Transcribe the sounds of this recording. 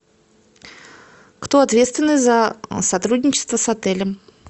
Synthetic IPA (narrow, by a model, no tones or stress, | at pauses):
kt̪oɐt̪vʲet̪st̪vʲɪnːɨjzəsɐt̪ɾudʲnʲɪt͡ɕɪst̪vəsɐt̪ɛlʲəm